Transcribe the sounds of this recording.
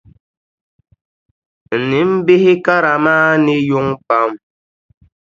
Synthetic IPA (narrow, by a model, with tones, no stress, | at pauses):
n̩˨ni˨˦m̩˦be˦hi˦ka˦ɾa˨maː˦ni˦ju˦ŋpa˦m